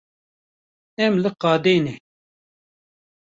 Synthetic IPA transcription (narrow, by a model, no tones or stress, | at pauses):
ɛmlɨqɑːd̪eːne